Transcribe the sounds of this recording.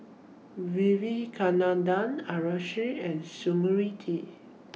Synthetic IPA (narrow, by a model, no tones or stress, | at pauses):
wivikʰanãndãnaɹaʃɹiɛ̃nsuməɹitʰi